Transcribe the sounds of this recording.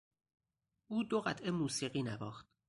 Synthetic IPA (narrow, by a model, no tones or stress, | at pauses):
ʔuːd̪oɣæt̪ʰemuːsiːɢiːnæbɒːxt̪